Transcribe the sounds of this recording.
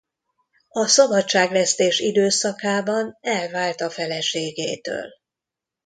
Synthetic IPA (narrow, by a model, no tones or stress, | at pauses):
ɒsɒbɒtt͡ʃːaːɡlɛst̪eːʃid̪øːsɒkaːbɒnɛlvaːlt̪ɒfɛlɛʃeːɡeːt̪ø̰ːl